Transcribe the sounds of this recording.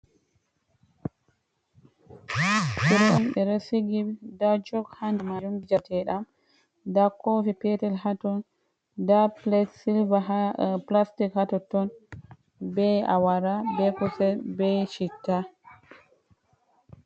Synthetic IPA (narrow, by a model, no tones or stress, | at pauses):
fiɾɔnɓɛɾasiɡidad͡ʒɔɡhandmad͡ʒuŋɡid͡ʒatʰɛɗam | dakofipɛtɛlhatɔn | daplɛtsilvaaplastikhatɔtɔn | bɛa̰waɾabɛkusɛbɛʃitːa